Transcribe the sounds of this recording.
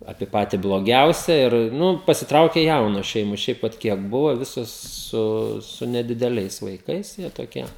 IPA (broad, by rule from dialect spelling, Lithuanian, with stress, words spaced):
ˈɑːpʲiɛ ˈpɑːtʲɪ blˠoːˈɡʲɛʊsʲɛ ɪr ˈnʊ pɐsʲɪˈtrɐʊkʲeː ˈjɛʊnoːs ˈʃʲɛɪmoːs ˈʃʲɛɪp ʋɐt ˈkʲiɛk ˈbʊʋoː ˈʋʲɪsoːs ˈsʊ sʊ nʲɛdʲɪdʲɛˈlʲɛɪs ʋɐɪˈkɐɪs jiɛ toːˈkʲiɛ